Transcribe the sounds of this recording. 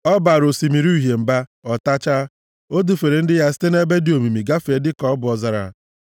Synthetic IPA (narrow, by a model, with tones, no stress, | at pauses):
ɔ˦ba˨ɾo˨si˨mi˨ɾu˦˨ɦe˨m̩˨ba˦ɔ˨ta˦t͡ʃa˦ | o˦du˨fe˨ɾe˨n̩˦dɪ˦ja˦s̬i̥˦te˦ne˦be˦dɪ˦o˨mi˨mi˨ɡa˦fe˨˦dɪ˦kɔ˦ɔ˦bʊ˨ɔ˨za˨ɾa̰˨